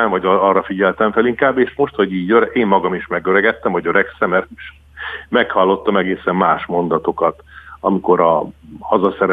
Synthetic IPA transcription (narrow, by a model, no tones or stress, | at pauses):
ɛɱvɒɟɒrːɒfiɟɛlt̪ɛɱfɛliŋkaːbːeːʃmo̞ʃt̪ho̞ɟiːɟøɾɛʔeːmːɒɡɒmiʃmɛɡøɾɛɡɛt̪ːɛmɒɟøɾɛksɛmːɛrʃ | mɛkhɒlːo̞t̪ːɒmɛɡeːsɛmːaːʃmo̞nd̪ɒt̪o̞kɒt̪ɒmiko̞ɾɒhɒzɒsɛɾɛ